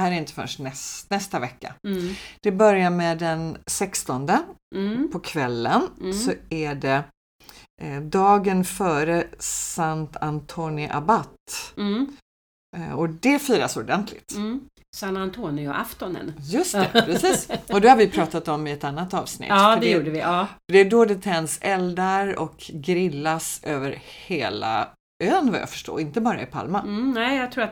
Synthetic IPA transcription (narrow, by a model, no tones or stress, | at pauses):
hæːɾæɾɪnt̪ə̥fœ̰ʂʈnɛsnɛst̪avɛkːa̰d̪̥ɛbœɾjaɾmɛd̪ɛnsɛkst̪ɔnd̪əpʰɔkʰvɛlːənsɔæɖɛ | d̪ɑːɡənfœːɾəsant̪ant̪ʰoːnɪʔa̰bat̪ː | ɔd̪ɛfyːɾasɔdɛnt̪ʰlɪ̰t̪ | sanant̪ʰoːnɪɔ̰ʔaft̪ɔnə̰njɵst̪ʰɛpʰɾɛsiːsɔd̪ɛhaɾvɪjpʰɾɑːt̪at̪ɔmːɪɛt̪anːat̪ɑːvsnɪ̰t̪ːd̪ɛjuːɖəvɪʔɑːfəɖ̪ɛːɖɔɖ̪ɛt̪ʰɛnsɛld̪aɾɔ̰kɡɾɪlːasøːvəɾheːla̰ | øːnvajɑ̰ːfœ̥ʂʈo̰ːɾɪnt̪əbɑːɾa̰ɪpʰa̰lmanɛɪjɑɡt̪ʰɾuːɾat̪